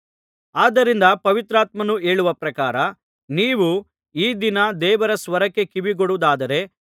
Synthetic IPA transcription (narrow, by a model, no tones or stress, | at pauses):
aːd̪ːɐɾind̪ɐpɐʋit̪ɾaːt̪mɐnue̞ːɭuʋɐpɾɐkaːɾɐ | niːʋu | iːd̪inɐd̪ɛːʋɐɾɐsʋɐɾɐkːe̞kiʋiɡoɽud̪aːd̪ɐɾe̞